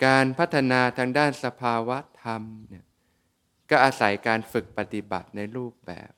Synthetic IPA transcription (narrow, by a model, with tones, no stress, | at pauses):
kaː˧npʰa˦˥t̪ʰːa˧naː˧t̪ʰaː˧ŋdaː˥˩nsa˧pʰaː˧wa˦˥t̪ʰːa˧mni˥˩ɐ | kɔː˥˩ʔaː˧sa˩˦jkaː˧nfɯ˨˩k̚pa˧t̪i˨˩ba̰˨˩t̪̚na˧jɾuː˥˩p̚bɛ̰ː˨˩p̚